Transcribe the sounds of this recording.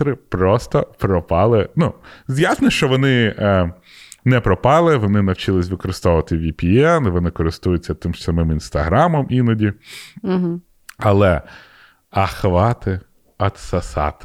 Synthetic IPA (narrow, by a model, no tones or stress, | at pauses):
ɾɪpɾɔst̪ɔpɾɔpɑlˠɪnuzjasnɔʃt͡ʃɔʋɔnɪ | nɛpɾɔpɑlˠɪʋɔnɪnɐwt͡ʃɪlˠɪsʲʋɪkɔɾɪst̪ɔʋʊʋɐt̪ɪʋʲipʲiɛnɪʋɔnɪkɔɾɪst̪ujʊt͡sʲːɐt̪ɪmʃsɐmɪminst̪ɐɦɾɑmɔmʔinɐdʲi | ɐlˠɛ | ɐxʋɑt̪ɪ | ɐt̪sɐsɑ̰t̪ɪ̥